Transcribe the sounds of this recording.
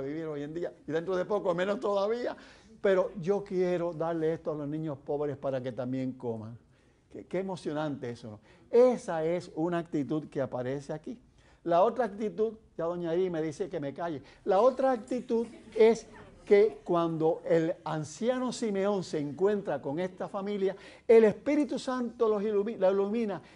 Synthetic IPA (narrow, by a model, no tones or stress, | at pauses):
βiβiɾo̞je̞nd̪iaiðe̞nt̪ɾoðepo̞komẽ̞nost̪o̞ðaβiape̞ɾo̞ʝo̞kje̞ɾo̞ðaɾle̞est̪oalo̞znĩɲo̞spo̞βɾe̞spaɾake̞t̪ambje̞ŋkoma̰ŋ | kekeːmo̞sjo̞nãnt̪e̞esono̰esae̞sunaːk̚t̪it̪uðkeapaɾe̞seaki | lao̞t̪ɾaːk̚t̪it̪ud̪d͡ʒaðoaɲaðiime̞ðiseke̞me̞kaʝe̞lao̞t̪ɾaːk̚t̪it̪uðe̞ske̞kwand̪o̞ʔe̞lansjano̞sime̞o̞ŋse̞ːŋkwe̞nt̪ɾako̞ŋe̞st̪afamilja | e̞le̞spiɾit̪usant̪o̞lo̞silumilailumĩna